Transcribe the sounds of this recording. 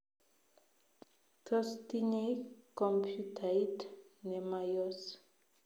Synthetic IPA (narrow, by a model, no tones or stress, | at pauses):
kɔst̪iɲekɔmpʰjut̪aitnɛmajɔs